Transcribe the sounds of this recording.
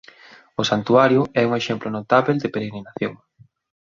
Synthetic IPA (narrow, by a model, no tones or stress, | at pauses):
ʊsant̪uaɾjʊɛuŋeʃemplʊnot̪aβeld̪ɪpeɾeɣɾinaθjoŋ